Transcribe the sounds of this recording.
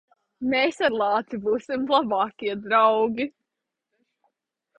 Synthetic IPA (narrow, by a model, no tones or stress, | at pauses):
meːsaɾlˠɑːt̪ibuːsimlˠabɑːkʲiɛd̪ɾawɡʲi